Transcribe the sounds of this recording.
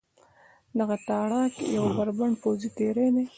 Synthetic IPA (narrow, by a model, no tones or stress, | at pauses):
d̪aɣat̪ɑɽɑkjawbaɾbaɳpowzit̪eɾed̪e